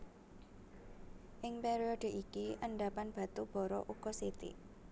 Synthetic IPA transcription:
ʔɪŋpɛɾiɔɖ̥e̤ʔikiʔəɳɖapanb̥a̤t̪ub̥ɔ̤ɾɔ̰ʔuɡ̥ɔsit̪ḭ

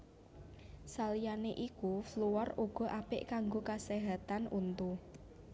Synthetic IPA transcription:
salijaneʔikufluwɔruɡ̥ɔ̤ʔapɪʔkaŋɡokaseɦat̪anʔunt̪u

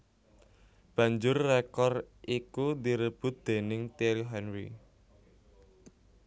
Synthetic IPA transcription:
b̥ä̤ɲd͡ʒʊrːekɔr | ʔikud̪iɾəb̥ʊ̤t̪̚d̪̥e̤nɪŋt̪iliɦɛnɾḭ

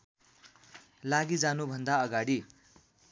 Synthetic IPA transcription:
laɡid͡zanubʱʌnd̪aʌɡaɽi

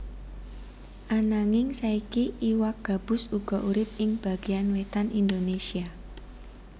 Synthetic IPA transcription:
ʔanaŋɪŋsaikiʔiwak̚ɡ̥a̤b̥ʊ̤suɡ̥ɔ̤ʔuɾɪp̚ɪŋb̥ä̤ɡ̥ianwet̪anʔind̪onesia

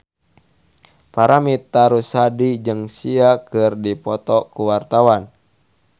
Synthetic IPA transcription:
paɾamit̪aɾusadid͡ʒɨŋsiakɨrdipɔt̪ɔkuwart̪awan

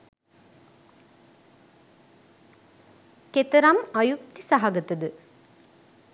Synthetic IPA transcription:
ket̪əɾɐmɐjuk̚t̪isaɦɐɡət̪əd̪ə

